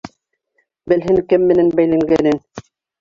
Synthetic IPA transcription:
bɘ̆lɦɘŋkɘmːɘ̆nænbæjlæŋɡænɘn

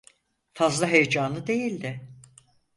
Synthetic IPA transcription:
fazlˠaɦejed͡ʒaːnɯd̪e̞jilʲd̪ɪ

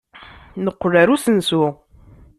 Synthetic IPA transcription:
nəqːəraɾusənsu

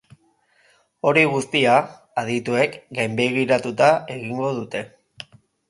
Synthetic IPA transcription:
o̞ɾiɣust̪iaː | ð̞it̪ue̞kɡajmbe̞ɣ̞iɾat̪ut̪ae̞ɣiŋɡo̞ðut̪e̞

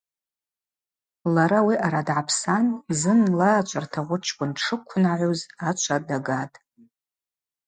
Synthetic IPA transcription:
laɾawiʔaɾadʕapʰsanzɨnlaːt͡ʃʷʰʼartʰaʁʷʊʈ͡ʂʰkʷʼʊnʈ͡ʂʰɨkʷʰʊnaʕʷuzat͡ʃʷʰadaɡatʼ

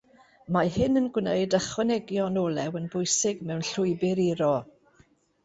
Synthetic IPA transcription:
mahɪnənɡwnəɨdəχwɛnɛɡjɔnɔːlˠɛwənbʊjsɪɡmɛwnɬʊɨbɪɾiɾɔ

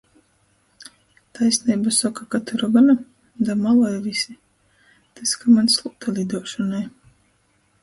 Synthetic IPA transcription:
t̪ʰajsniːbasɔkakat̪uɾɔɡana | d̪amalˠajvisi | t̪ɨskamanslˠuk̚t̪ʰalʲid̪uɔʃɔnaj

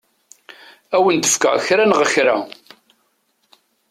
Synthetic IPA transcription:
æwənd̪əfkæ̰ʁçɾanʁəçɾa̰

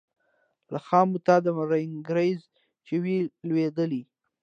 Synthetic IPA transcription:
laxɑmʊt̪ɑd̪əmaɾaɪŋɡɾajz | t͡ʃewilwed̪əli

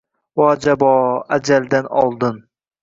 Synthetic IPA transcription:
wɒːd͡ʒabɒad͡ʒald̪anɒ̰lˠd̪ɨn

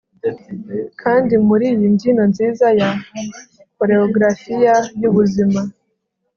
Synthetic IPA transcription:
kʰaːndimuɾiːβindino̞nziːzaja | ko̞ɾeoɡɾafijajuβuzima

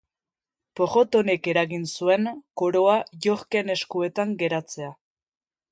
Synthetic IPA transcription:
po̞ɣo̞t̪o̞ne̞ke̞ɾaɣinsue̞ŋko̞ɾoaʝo̞ɾke̞ne̞skue̞t̪aŋɡe̞ɾat͡se̞a

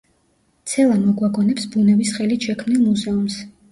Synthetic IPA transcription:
t̪sʰɛlˠamɔɡwaɡɔnɛpsbunɛvisχɛlit̪ʃɛkʰmnilˠmuzɛums

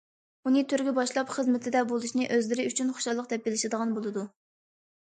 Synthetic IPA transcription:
unɨt̪ʰøɾɡʲibɑʃlˠɑpχəzmɪt̪ʰɪd̪ɛbolˠuʃnɪʔøzlɪɾɪyt͡ʃʰynχo̥ʃɑlˠːəq̚d̪ɛp̚bɪlɪʃɪd̪əʁɑnbolˠɨd̪u

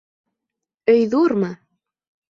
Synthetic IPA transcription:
ɵjðuɾmɤ

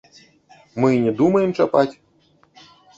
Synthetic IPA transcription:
mɨnʲɛd̪umɐjɛmt͡ʂapat͡sʲ

